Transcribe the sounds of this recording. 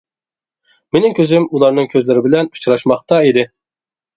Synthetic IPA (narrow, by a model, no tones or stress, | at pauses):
menɪŋkʲʰøzɪmulˠɑɾnɨŋkʲʰøzlɪɾɪbɪlɛnu̥t͡ʃɾɑʃmɑχt̪ɑid̪ɪ